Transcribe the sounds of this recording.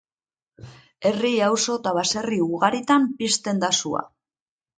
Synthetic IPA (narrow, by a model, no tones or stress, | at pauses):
e̞riawso̞t̪aβase̞riuɣaɾit̪ampist̪e̞nd̪asua̰